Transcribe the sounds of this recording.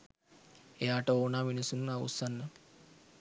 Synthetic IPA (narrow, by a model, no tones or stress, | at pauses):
ejaːʈəoːnaːminisunaṵsanːə